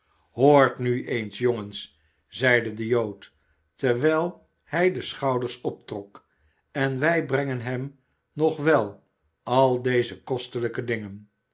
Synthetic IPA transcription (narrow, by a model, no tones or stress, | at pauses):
hoːɹtnyejnsjoŋəns | zɛjdədəjowt | təɹʋɛlˠ | hɛjdəsχɑwdəɹsɔp̚trɔk | ɛnʋɛjbrɛŋənɦɛm | nɔχʋɛlˠ | ɑlˠdejzəkɔstələkədɪŋən